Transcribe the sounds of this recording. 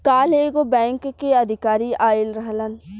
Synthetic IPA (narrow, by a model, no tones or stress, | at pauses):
kaːleːɡobɛ̃ːŋkkːeɐd̪ʱɪkaːɾiaːɪlɾəɦlən